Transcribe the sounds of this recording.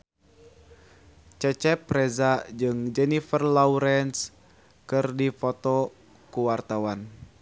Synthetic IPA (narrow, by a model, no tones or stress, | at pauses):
t͡ʃɛt͡ʃɛpːɾɛzad͡ʒɨŋd͡ʒɛnifərlauɾɛns | kɨrdifot̪ɔ | kuwart̪awan